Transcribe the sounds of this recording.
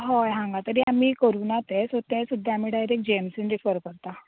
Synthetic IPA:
ɦɔjɦãŋɡat̪əɾiamiːkəɾuːnat̪esot̪ɛsud̪ʱːaam̤iːɖajɾek̚d͡ʑemsinɾifəɾkəɾt̪a

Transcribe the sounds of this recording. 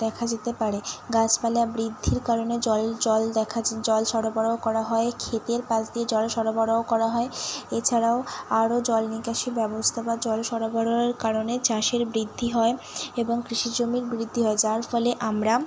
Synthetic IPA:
d̪ɛkʰad͡ʑet̪epaɾeɡat͡ɕpaleabɾid̪ʱːiɾkaɾoned͡ʑɔlɔlɛkʰad͡ʑd͡ʑɔlʃɔɾobʱɔɽaokɔɾaɦɔekʰet̪eɾpãt͡ɕd̪ied͡ʑɔlʃɔɾobʱɔɽaokɔɾaɦɔeet͡ɕʰaɾaoaɾod͡ʑɔlnikaʃibɛbost̪ʰabad͡ʑɔlʃɔɾobʱɔɾoeɾkaɾonet͡ɕaʃeɾbɾid̪ʱːiɦɔe | eboŋkɾiʃid͡ʑomiɾbɾid̪ʱːiɦɔed͡ʑaɾfɔleʔamɾa

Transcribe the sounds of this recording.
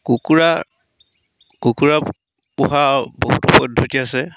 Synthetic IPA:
kukuɹa | kukuɹa | puɦaboɦutɔpɔdʱːotiasɛ

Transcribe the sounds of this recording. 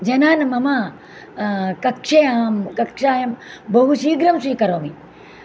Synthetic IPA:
d͡ʒɐnaːnmɐmaː | kɐkʂejaːmkɐkʂaːjɐmbɐɦuʃiːɡɾɐmsiːkɐɾoːmi

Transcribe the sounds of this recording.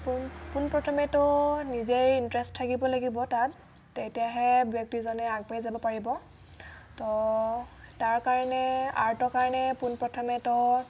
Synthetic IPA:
ppunpɹɔtʰɔmɛtɔnizeɹintɹɛsttʰːakibɔlaɡibɔtatː | ejtiaɦɛbjɔk̚tizɔnɛaɡ̚pajzabɔpaɹibɔ | tɔ | taɹkaɹɔnɛa̰ɹtɔkaɹɔnɛpunpɹɔtʰɔmɛtɔ

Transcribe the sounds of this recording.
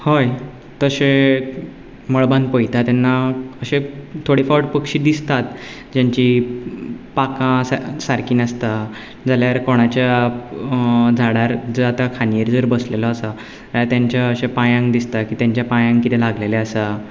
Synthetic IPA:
hoj | t̪əɕe | məɭbanpəjt̪at̪janːaəɕẽt̪ʰoɽiːfɔʈpəkɕiːd̪ist̪at̪̚ | d͡ʑaɲt͡ɕi | pakãsasaɾkiːnəst̪a | d͡zaljaəɾkoɽ̃at͡ɕja | d͡zʱaɽaɾd͡zəat̪akʰanijəɾd͡zəɾbəslelɔːsə | at̪jaɲt͡ɕjaəɕẽpajãŋd̪ist̪akiːt̪jaɲt͡ɕjapajãŋkit̪ʰelaɡleleasa

